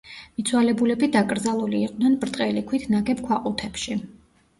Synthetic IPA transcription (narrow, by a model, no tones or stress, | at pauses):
mit̪sʰwalɛbulɛbid̪akʼɾd̪zalˠuliːqʼd̪nɛnbɾt̪ʼqʼɛlikʰwit̪ʰnaɡɛpkʰwaqʼut̪ʰɛpʃi